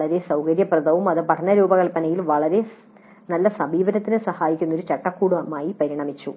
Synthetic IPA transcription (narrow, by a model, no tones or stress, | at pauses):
ɐɭɐɾe̞sɐwkɐɾjɐprɐðɐʋumɐðɨpɐʈʰɐnːɐɾuːbɐɣɐlpːɐnɐjilʋɐɭɐɾe̞ | nɐlːɐsɐbʱiːʋɐɾɐt̪ːinɨsɐhaːjikʲːunːoɾut͡ɕɐʈːɐkːuːɽumaːjipɐɾiɳɐmit͡ɕːu